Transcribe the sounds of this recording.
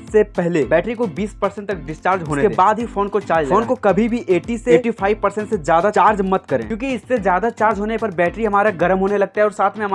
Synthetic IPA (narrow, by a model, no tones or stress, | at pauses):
sepɛɦlebɛːʈɾikobiːspɐɾsɛ̃ɳʈt̪ɐk̚ɖɪst͡ʃaːɾd͡ʒɦoːneebaːd̪ɦifoːnkot͡ʃaːd͡ʒloːnkokɐbʱibʱiʔeːʈiseeːʈipʰaːiʋpɐɾsɛ̃ɳʈsed͡ʒjaːd̪at͡ʃaːɾd͡ʒmɐt̪kɐɾḛ̃ːkjõːkiɪsːezjaːd̪at͡ʃaːɾd͡ʒɦoːnepɐɾbɛːʈɾiɦɐmaːɾaɡɐɾəmɦoːnelɐɡ̚t̪aɦɛɔːɾsaːt̪ʰmẽɦɐma